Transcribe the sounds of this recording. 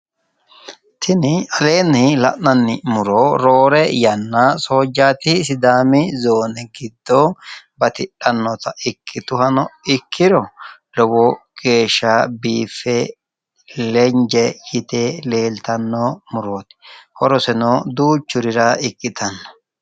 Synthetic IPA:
t̪ʰɪnɪɐle̞ːnɪlɐ̰ʔnɐnːɪmʊɾoːɾo̞ːɾɛjɐnːaso̞ːd͡ʒːaːt̪ɪs̬ɪd̪aːmɪzoːnɛɡɪd̪ːobɐt̪ɪᶑɐnːɔt̪ɐɪkʰːɪt̪ʊhɐnɔɪkʰːɪɾɔlɔwɔɡ̥e̞ːʃːabiːfːɛ | lɛɲd͡ʒɛjɪt̪ele̞ːlt̪ɐnːoːmʊɾoːt̪ɪ̥hɔɾɔsɛnoːd̪uːt͡ʃːʊɾɪɾɐɪkʼːɪt̪ɐnːɔ̥

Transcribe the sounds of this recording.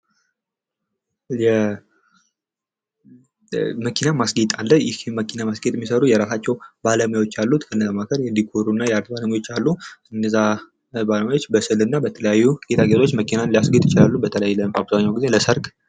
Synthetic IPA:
jɛ | məkʰinamasɡit̪ʼalːəjɪhhɪmːəkʰinamasɡet̪ʼɛmːisəɾujɛɾasat͡ʃːɛwbaləmjawo̞t͡ʃːalːut̪kʰəɨnːzamakʰəɾjɛnd̪ikʰoɾunːajɛaɾt̪baləməjwo̞t͡ʃːalːuʔɨnːəza | baləmajawot͡ʃːbəsɨlɨnːabət̪ʰələjajːuɡ̥et̪ʰaɡet̪ʰot͡ʃːməkʰinanlijasɡit̪ʼjɪt͡ʃɪlalːubət̪ʰələjajləmabzaɲːawɡize̞ləsəɾɡ

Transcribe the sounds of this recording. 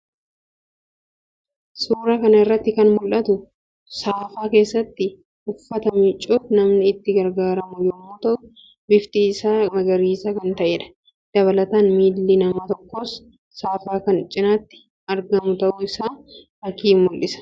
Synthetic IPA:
suːɾɐkɐnɐɪrːɐt̪ːɪkɐnmʊlʔɐt̪ʊ | saːfaːke̞ːsːɐt̪ːɪ | ʔʊfːɐt̪ɐmɪt͡ʃʼːuːfnɐmnɪːt̪ːɪɡɐɾɡaːɾɐmʊjɛmːuːt̪ɐʔʊ | bɪft̪iːsaːmɐɡɐɾiːsɐkɐnt̪ɐʔeːᶑɐ̥ | d̪̥ɐβɐlɐt̪aːnmiːlːinɐmɐt̪ɔkːoːsː | aːfaːkɐnt͡ʃʼːɪnaːt̪ːɪ̥ | ɐɾɡɐmʊt̪ɐʔʊɪsaː | ɐkiːmːʊlʔɪsɐ̥

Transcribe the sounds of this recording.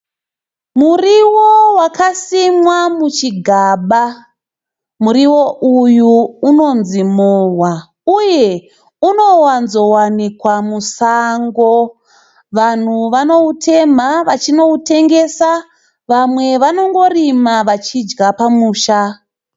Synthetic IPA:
muriwowakasimwamut͡ʃiɡʱaːɓa | muɾiwo̞ʔujuːno̞nzimowa | uje̞ | uno̞wanzo̞wanikwamusaːŋɡo̞ | ʋan̤uʋano̞utʰe̞maʋat͡ʃino̞ute̞ŋɡe̞sa | ʋamwe̞ʋano̞ŋɡo̞rimaʋat͡ʃid͡ʒɡapamuːʃa

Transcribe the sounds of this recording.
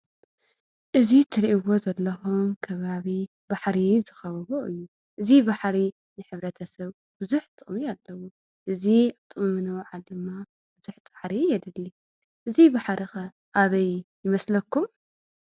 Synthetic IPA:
ʔɨzit̪ʰɨɾiʔiwo̞zɐlːɐxumkʰɐβaβi | baħɾizɨxɐβɐβoʔɨjːu | ʔɨzibaħɾi | nɨħɨβɾɐt̪ʰɐsɐβ | bɨzuħt̪ʼɨχʼmialːɐwu | ʔɨzit̪ʼɨmɨmɨnɐwʕaldɨmːa | b̥ɨz̥uħt̪ʼaħɾijɛd̪ɨlu | ʔɨzibaħɾixɐ | ʔaβɐjjɪmɐslɐkːum

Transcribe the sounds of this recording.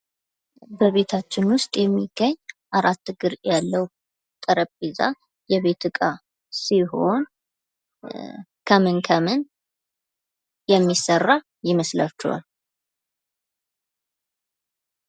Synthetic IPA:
bəβe̞t̪ʰat͡ʃːɪnwʊst̪ʼjɛmːiɡ̥ːəɲːʔaɾat̪ːɨɡɨɾjalːəw | t̪ʼəɾəpʼiza̰ | jɛβe̞t̪ʰɨkʼa | siɦo̞n | kʰəmɨnkʰəmɨn | jɛmːisərːa | jɪməslat͡ʃːɛwa̰l

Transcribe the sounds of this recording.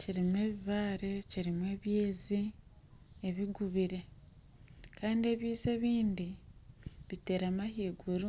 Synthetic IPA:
ciɾimwe̞ːβiβaːɾe̞ciɾimwe̞ːβjeːzi | eβiɡuβiɾe̞ | kaːndie̞βjiːze̞βiːndi | βite̞ːɾamahiːɡuɾu

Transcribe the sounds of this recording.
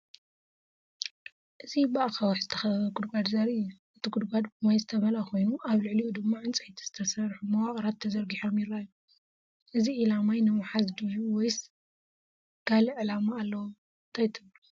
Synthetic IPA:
ʔɨzibaʔaxawaħzɨt̪ʰɐxɐɡud̪ɡad̪zɐɾijːuʔɨt̪ʰiɡud̪ɡʷad̪bɨmajzɨt̪ʰɐβɐlakʰo̞jnuʔaβlɨʕliud̪ɨmːaʕɨnt͡sʼɨħit̪ʰi̥z̥ɨt̪ʰɐsɐɾħumɐwaχʼɾat̪ʰːɐzɐɾɡiħo̞mjɪɾːaju | ʔɨziʔilamajnɨmħazd̪ijuwɔjs | ɡ̥alɨʕɨlamaːlːɐwu | nt̪ʰajt̪ʰɨβu

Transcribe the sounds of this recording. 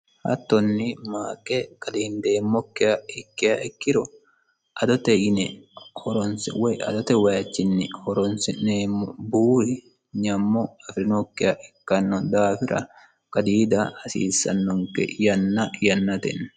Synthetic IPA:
hɐ̰t̪ːɔnːɪmaːkʼɛkʼɐd̪iːnd̪eːmːɔkːɪɐɪkːɪɐɪkːɪɾɔ | ʔɐd̪ɔt̪ɛɪnɛhɔɾɔnsɛwɛɐ̰d̪ɔt̪ɛwɐjɐt͡ʃːɪnːɪhɔɾɔnsɪneːmːɔbuːɾɪ | ɲɐmːɔɐfɾɪnɔkːɪjɐʔɪkːɐnːɔd̪aːfɪɾʔɐ̰ | kʼɐd̪iːd̪ɐɐsḭːsːɐnːɔŋkɛ̰jɐnːɐjɐnːɐt̪ɛ̰n

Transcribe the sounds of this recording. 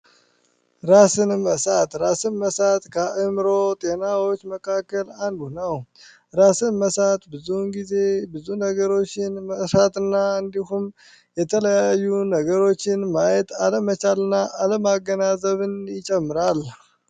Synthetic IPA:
ɾasɨnməsat̪ɾasɨnməsat̪kʰəʔɨmɾot̪ʼe̞nawo̞t͡ʃːməkʰakːəland̪unəw | ɾasɨnməsat̪bɨzunɡize̞bɨzunəɡəɾo̞t͡ʃːɪnməsat̪ɨnːaɨnd̪ihum | jɛt̪ʰələjajːunəɡəɾo̞t͡ʃːɪnmajɛt̪aləmət͡ʃalɨnːaʔaləmaɡːənazəβɨnjɪt͡ʃʼɛmːɨɾal

